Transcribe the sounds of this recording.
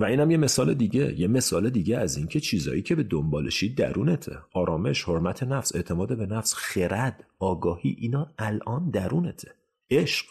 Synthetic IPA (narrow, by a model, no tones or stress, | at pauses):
væiːnhæmje̞me̞sɒːle̞d̪iːɟe̞̰jeme̞sɒːle̞d̪iːɟeæzincʰe̞t͡ʃʰiːzɒ̰ːjiːcʰe̞be̞d̪ombɒːleʃiːd̪̚ːæ̰ɾuːne̞t̪ʰḛɒːɾɒːme̞ʃho̞ɾmæt̪ʰe̞næfse̞̰ʔt̪ʰe̞mɒːd̪ebe̞næfsxe̞ɾæd̪̥ɒːɡɒːhiːʔiːnɒːælʔɒːnd̪æɾuːne̞t̪ʰe̥ | eʃɢ̥